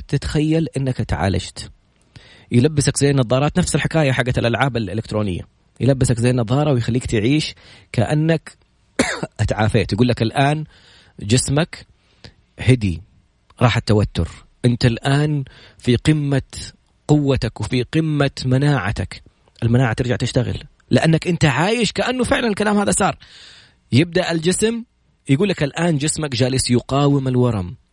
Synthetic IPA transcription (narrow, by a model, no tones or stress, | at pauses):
t̪ɪt̪xajːalʔɪnːakat̪ʕa̰ːla̰d͡ʒt̪ | jlabːɪsakzajːnɑðˤɑːɾˤɑːt̪nafsɪlħɪkaːjaħaɡːaɪlʔalʕaːbalʔɪlɪkt̪ɾoːnɪ̰jːa̰ | jlabːɪsakzajːanɑðˤːɑːɾˤɑwjxalːiːk̚t̪ʕiːʃkaʔa̰nːak | ʔat̪ʕaːfeːt̪jɡuːlːakɪlʔaːn | d͡ʒɪsmak | hɪd̪ḭ | ɾˤɑːħat̪ːawat̪ːʊ̰ɾ | ʔɪnt̪alʔaːn | fiqɪmːa | qʊwːat̪akwfiqɪmːamanaːʕa̰t̪a̰k | ʔɪlmanaːʕat̪ɪɾd͡ʒaʕt̪ɪʃt̪aɣɪ̰l | lɪʔanːakʔɪnt̪aʕaːjɪʃkaʔanːufɪʕlanɪlkalaːmhaːðasˤɑːɾˤ | jɪb̚d̪aʔɪld͡ʒɪsm | jaɡuːlːakɪlʔaːnd͡ʒɪsmakd͡ʒaːlɪsjʊqɑːwɪmɪlwɑɾˤɑm